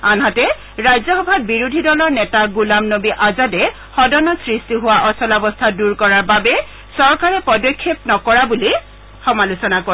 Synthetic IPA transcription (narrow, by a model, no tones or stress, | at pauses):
anɦatɛ | ɹajzɔxɔbʱat̚biɹudʱidɔlɔɹnɛtaɡulamnobiʔazadɛ | xɔdɔnɔtsɹistiɦʊwaʔɔsɔlabɔstʰaduɹkɔɹaɹbabɛ | sɔɹkaɹɛpɔdɔkʰːepnɔkɔɹabuli | xɔmalusɔnako